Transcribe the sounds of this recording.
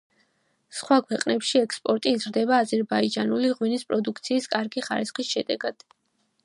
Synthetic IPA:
sχwakʰwɛqʼnɛpʃiɛkspʼɔɾt̪ʼiːzɾd̪ɛbaːzɛɾbaid͡ʒanuliʁwinispʼɾɔd̪ukʰt̪sʰiːskʼaɾɡiχa̰ɾisχisʃɛd̪ɛɡad̪̥

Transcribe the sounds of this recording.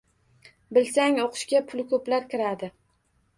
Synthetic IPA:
bɪlsaŋoqʰʊ̥ʃkʲapʰʊlkʰɵplaɾkʲɪɾad̪ɪ

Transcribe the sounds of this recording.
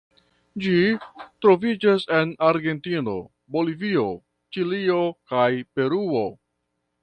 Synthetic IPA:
d͡ʒitɾo̞vid͡ʒase̞naɾɡe̞ntino̞̰ | bo̞livio̞ | t͡ʃilio̞kajpe̞ɾuo̞

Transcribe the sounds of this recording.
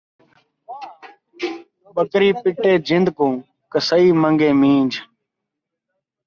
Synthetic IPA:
ɓəkɾiːpɪʈeːd͡ʒɪnd̪ʱkõː | kəsəiːməŋɡeːmĩːd͡ʒʱ

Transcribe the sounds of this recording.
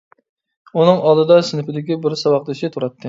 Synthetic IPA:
unɨŋɑlˠd̪ɨd̪ɑsɪnɪpɪd̪ɪkʲibɪɾsɑwɑq̚d̪ɨʃit̪ʰuɾɑt̪ʰːɨ

